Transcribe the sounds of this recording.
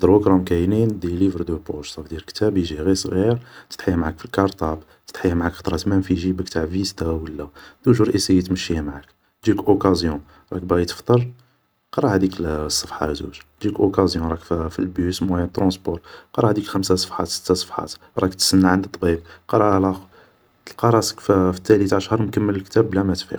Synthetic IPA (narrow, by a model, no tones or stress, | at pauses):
d̪ɾukɾˤɑmkæjnind̪ilivəɾd̪əpoʃt̪ˤɑfd̪jiɾkt̪æbʒiɣisˤɣiɾə̥t̪ħijæmʕakfilkɑɾˤt̪ˤɑb | t̪ə̥d̪ħəjːæmʕakfɑ̥t̪ˤɾˤɑt̪mænfiʒibəkt̪aʕvist̪æwəlːæd̪̥uʒuɾˤʔisijːit̪məʃːihæmʕak | ʒiləkʔokæzjɔ̃ | ɾˤɑk̚bæʔit̪ə̥ft̪ˤəɾˤ | qɑɾˤɑhd̪iksˤːəfħɑ̰zṵʒʒiləkʔokæzjɔ̃ɾˤɑkffilbjusmwæjæt̪ːɾɑ̃sbɔɾˤqɑˤɑhd̪ikxəmsasˤə̥fħɑ̰t̪sə̥t̪ːasˤə̥fħɑ̰t̪ | ɾˤɑkt̪sənːaʕənd̪ət̪ˤːbib̚qɑɾˤɑlˤɑ | lqɑɾˤɑsə̥kffi̥t̪ːælit̪ʕəʃhəɾˤmkəmːələlkt̪æblæmæt̪fḭ